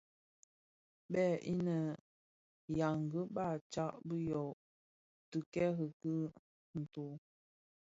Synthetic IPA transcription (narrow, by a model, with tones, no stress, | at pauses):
bɛ˦˨ʔi˦nə˨ | ja˨ŋ˨ɡə˦ba˦˨t͡ʃa˦ʔbə˦jɔ˨ʔ | tɨ˨kɛ˦ɣə˨kɨ˦ | n̩˨to˨